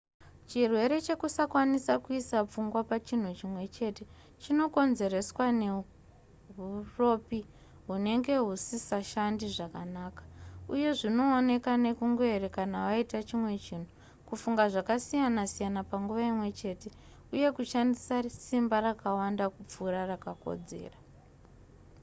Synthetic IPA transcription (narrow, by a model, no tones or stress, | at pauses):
t͡ʃirwe̞ɾe̞t͡ʃe̞kusakwanisakuisap͡fuŋɡwapat͡ʃin̤ut͡ʃimwe̞t͡ʃe̞te̞ | t͡ʃino̞ko̞nze̞ɾe̞swane̞ | ɦuro̞pi | ɦune̞ŋɡe̞ɦusisaʃandiʐakanaːkḁuje̞ʐino̞ːne̞kane̞kuŋɡoerekanaʋaitat͡ʃimwe̞t͡ʃiːn̤u | kufuŋɡaʐakasijanasijanapaŋɡuʋaimwe̞t͡ʃe̞ːte̞ | uje̞kuʃandisasimbarakawandakup͡fuɾarakako̰d͡ze̞̰ːra